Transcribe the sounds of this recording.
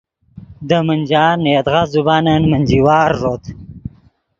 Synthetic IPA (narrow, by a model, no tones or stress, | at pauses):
d̪əmənʲd͡ʒɑːnːed̪ʁazubɑːnənmənʲd͡ʒiwɑːɾːot̪